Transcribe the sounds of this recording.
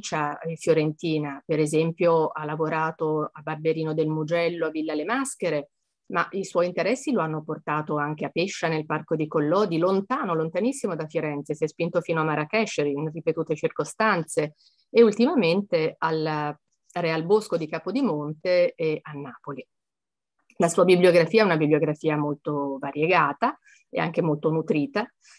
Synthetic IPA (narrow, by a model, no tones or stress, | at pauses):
t͡ʃaefjoɾent̪iːnapeɾezɛmpjoalːavoɾaːt̪oabarbeɾiːnod̪elmud͡ʒɛlːoavːilːalemaskeɾe | maʔiswɔint̪eɾɛsːiloanːoport̪aːt̪oaŋk̟eapːeʃːanelparkod̪ikolːɔːd̪ilont̪aːnolont̪anisːimod̪afjoɾɛnt̪sesiɛspint̪ofiːnoamːaɾakɛʃːeɾiinripet̪uːt̪et͡ʃirkost̪ant̪seː | ult̪imament̪eal | realboskod̪ikaːpod̪imont̪eɛanːaːpoli | lasuːabibljoɡɾafiːaɛunabibljoɡɾafiːamolt̪ovaɾjeɡaːt̪a | ḛa̰ŋk̟emolt̪onut̪ɾiːt̪a